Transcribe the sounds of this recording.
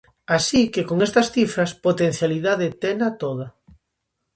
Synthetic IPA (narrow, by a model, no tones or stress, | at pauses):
asikekoŋest̪ɐsθifɾɐspot̪en̟θjaliðaðet̪enat̪oðɐ